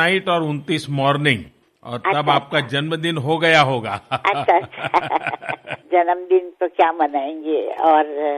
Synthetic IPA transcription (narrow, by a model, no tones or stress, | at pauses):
aːɪʈɔːɾʊnt̪iːsmɔːɾnɪ̃ŋɡ | ɔ̰ːɾt̪ɐbaːp̚kad͡ʒɐnməd̪ɪnɦoɡɐjaɦoːɡaːɐʃʰat͡ʃʰa | d͡ʒɐnəmd̪ɪnt̪okjaːmɐnaːẽːŋɡeɔːɾ